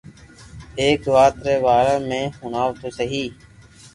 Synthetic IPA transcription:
eːkʋaːt̪ɾeːʋaːɾaːmẽːhʊnaːʋt̪oːsəɦiː

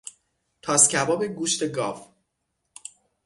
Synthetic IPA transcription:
t̪ʰɒːscʲʰæbɒːbe̞ɡuːʃt̪e̞ɡɒːf

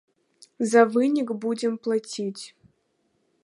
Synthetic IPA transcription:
zavɨnʲiɡbudʲemplˠatʲʰitʲ

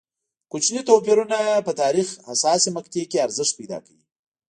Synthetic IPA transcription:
kut͡ʃnit̪opiɾunapət̪ɑɾixhasɑsimakt̪ekeaɾzɪʂt̪̚pajd̪ɑ̰kawi

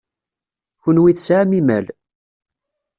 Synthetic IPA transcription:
çʊnwiθsʕamimæl

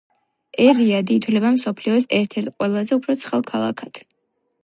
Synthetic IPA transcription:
ɛɾiad̪iːt̪ʰwlɛbamsɔpʰliɔs̬ɛɾt̪ʰɛɾt̪ʰqʼwɛlˠazɛupʰɾɔt̪sʰχɛlˠkʰalˠa̰kʰat̪ʰ

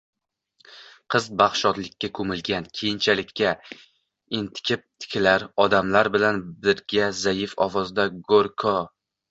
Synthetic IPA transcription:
qʰɨzbaχʃɒt̪lɪkʲːakʰɵmɪlɡʲankʲʰejɪnt͡ʃʰalɪkʲːa | ɪnt̪ʰɪ̥kʲʰɪp̚t̪ʰɪ̥kʲʰɪlaɾɒd̪amlaɾbɪlanbɪɾɡʲazajɪfɒ̰vɒzd̪aɡoɾkʰɒ

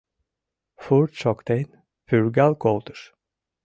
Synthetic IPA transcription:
fuɾt̪ʃɔkt̪ʰejn | pʰyɾɡalˠkʰolˠd̪uɾ̥

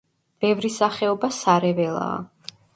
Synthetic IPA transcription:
b̥ɛvɾisaχɛɔbasaɾɛvɛlˠa̰ː

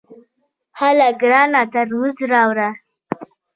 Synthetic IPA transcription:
halaɡɾɑnat̪aɾmuzɾɑwɾa

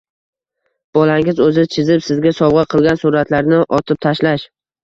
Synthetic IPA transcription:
b̥ɒlaŋɪzɵzɪt͡ʃʰɪzɪpsɪzɡʲasɒwʁɑqʰɨlˠɡʲansʊɾat̪ʰlaɾnɪʔɒt̪ʰɪp̚t̪ʰaʃlaʃ

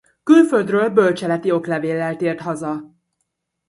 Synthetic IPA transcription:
kylføld̪røːlbø̞lt͡ʃɛlɛt̪io̞klɛveːlːɛlt̪eːrt̪ɦɒzɒ

